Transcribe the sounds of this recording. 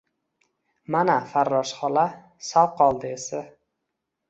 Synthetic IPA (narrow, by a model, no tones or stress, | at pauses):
manafaɾːɒʃχɒla | salˠqʰɒlˠd̪ɪesa